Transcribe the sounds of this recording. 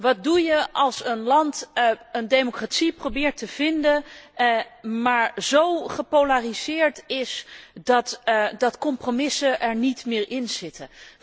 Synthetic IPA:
ʋɑt̚dujəɑlˠsənlɑntəndejmokraːtsiprobɪːɹtəv̥ɪndə | maːɹzowχəpowlarizɪːɹtɪsdɑtdɑtkɔmpromɪsəʔɛɹnitmɪːɹɪnz̥ɪtʰə

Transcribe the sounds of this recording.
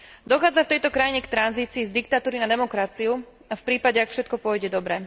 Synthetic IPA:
d̪ɔxaːd͡zaft̪ɛjt̪ɔkɾajiɲɛkt̪ɾanziːt͡siːzd̪ikt̪at̪uːɾinad̪ɛmɔkɾat͡siu | afpɾiːpaɟɛakfʃɛt̪̚kɔpʊɔjɟɛd̪ɔbɾɛ

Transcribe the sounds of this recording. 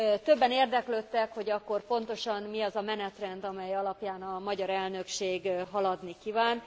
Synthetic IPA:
t̪ø̞bːɛneːrd̪ɛkløːt̪ːɛkho̞ɟɒkːo̞rpo̞nt̪o̞ʃɒnmiɒzɒmɛnɛt̪rɛnd̪ɒmɛjɒlɒpjaːnɒmɒɟɒɾɛlnø̞kʃeːɡɦɒlɒd̪nikivaːn

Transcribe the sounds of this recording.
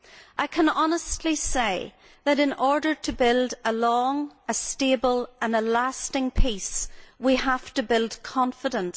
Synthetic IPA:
ʔaɪkʰə̃nɑnəstʰˡliseɪ | ðəɾɨ̃nɔɹdə˞ɾʰəbɪlˠdəlɔ̃ŋəstebəlˠʔə̃nəlastɪ̃ŋpʰiswihaftəbɪlˠd̥kʰɑ̃ɱfɪɾə̃ns

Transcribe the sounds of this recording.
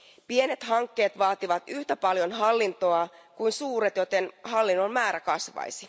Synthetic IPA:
pie̞ne̞t̪hɑŋkːe̞ːt̪ʋɑːt̪iʋɑt̪yht̪æpɑljo̞nɦɑlːint̪o̞ɑkuinsuːɾet̪jo̞t̪enhɑlːinːo̞mmæːɾækɑsʋɑ̰jsi

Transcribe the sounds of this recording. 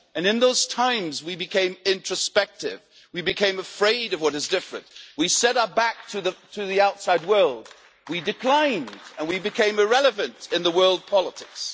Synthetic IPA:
ɨ̃nɨ̃nðoʊz̥tʰãɪ̃mzwibɨkʰẽɪ̃mɪ̃nt͡ʃɹ̥ɨspɛk̚tɪ̰v | wibɨkʰẽɪ̃mɨfɹeɪɾʌvwʌɾɨzdɪfɹɨ̰̃nʔ̚wisɛɾəbæk̚tʰɨðɨtʰɨðiaʊtsaɪd̚wɜ˞lˠd̚ | widɨkʰl̥ãɪ̃ndɨ̃nwibɨkʰẽɪ̃mɨɹɛlˠəvɨ̃ntɨ̃nðəwɜ˞lˠd̚pʰɑlˠətʰɪks

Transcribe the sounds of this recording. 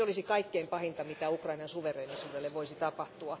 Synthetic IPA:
olisikɑikːeimpɑhint̪ɑmit̪æukrɑinɑnsuʋereːnisuːdelːeʋʋoisit̪ɑpɑht̪uɑ

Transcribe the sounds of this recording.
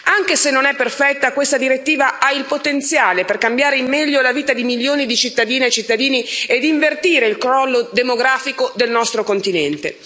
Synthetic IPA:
aŋk̟esenːonɛpːerfɛt̪ːakwest̪ad̪iɾet̪ːiːvaʔailpot̪ent̪sjaːleperkambjaːɾeimːɛʎːolaviːt̪ad̪imiljoːnid̪it͡ʃit̪ːad̪iːnet͡ʃːit̪ːad̪iːnied̪iɱvert̪iːɾeilkɾɔlːod̪emoɡɾaːfikod̪elnɔst̪ɾokont̪inɛnt̪ḛ

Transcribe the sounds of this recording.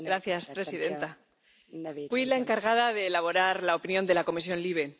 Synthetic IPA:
ɡɾaθjaspɾe̞siðe̞nt̪a | fwilae̞ŋkaɾɣaðaðe̞ːlaβo̞ɾaɾlaopinjõ̞nd̪elako̞misjo̞nliβ̞e̞

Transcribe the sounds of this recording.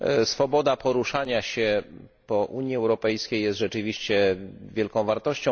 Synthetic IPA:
sfɔbɔd̪apɔɾuʂaɲaɕɛ | pɔʔuɲjiɛwɾɔpɛjskʲejjɛst̪ʐɛt͡ʂɘvʲiɕt͡ɕɛvʲjɛlkɔ̃w̃vaɾt̪ɔɕt͡ɕɔ̃w̃

